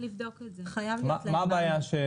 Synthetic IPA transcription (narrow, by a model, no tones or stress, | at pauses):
livd̪okezeχajavmamaːbaːjaʃe